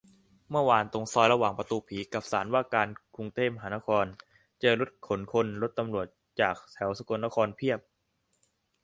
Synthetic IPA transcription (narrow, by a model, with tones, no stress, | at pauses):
mɯ˥˩ɐwaː˧nt̪o˧ŋsɔː˧jɾa˧waː˨˩ŋpɾa˧t̪uː˧pʰiː˩˦ka˨˩p̚saː˩˦nwaː˥˩kaː˧nkʰu˧ŋt̪eː˥˩pma˧ɦaː˩˦na˦˥kʰɔː˧n | t͡ɕɤː˧ɾo˦˥t̪̚kʰo˩˦nkʰo˧nɾo˦˥t̪ːa˧mɾu˨˩ət̪̚t͡ɕaː˨˩k̚t̪ʰɛ˩˦wsa˧ko˧nːa˦˥kʰɔː˧npʰi˥˩əp̚